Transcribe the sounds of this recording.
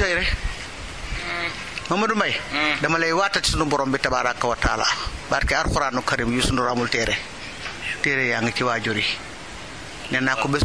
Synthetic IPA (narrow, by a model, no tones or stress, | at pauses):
ajɾɛ | mamɐdumajdɐmalejwatːati̥sunubɔɾɔmbitabaɾakːawata̰ːla̰baːɾkiaɾxuɾaːnːukaɾimjusunduɾamultɛɾʔe | tɛɾejaŋɡit͡ʃiwaːd͡ʒoɾi | nɛnːakːubes